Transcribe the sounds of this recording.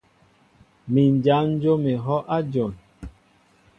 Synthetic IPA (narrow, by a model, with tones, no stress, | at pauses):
mi˨n˨d͡ʒa˨˦n̩˦d͡ʒo˦me˨ɦɔ˦ʔa˦d͡ʒɔ˨n